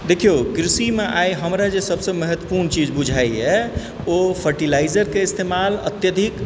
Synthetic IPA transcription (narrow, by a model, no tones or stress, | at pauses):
d̪ekʰijokɾisimeʔajɦəmɾad͡ʒesəbsə̃mɛɦət̪wəpuɾnt͡ʃid͡ʒbud͡ʒʱajɦɛ | opʰəɾʈilaɪd͡ʒəɾkeist̪emalət̪jəd̪ʱik